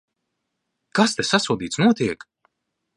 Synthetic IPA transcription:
kast̪esasuɔd̪iːt̪snuɔt̪iɛk

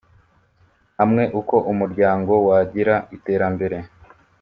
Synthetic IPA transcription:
hamŋe̞ʔuko̞ʔumuɾɟaːŋɡo̞waɟiɾaʔite̞ːɾambe̞ɾe̞

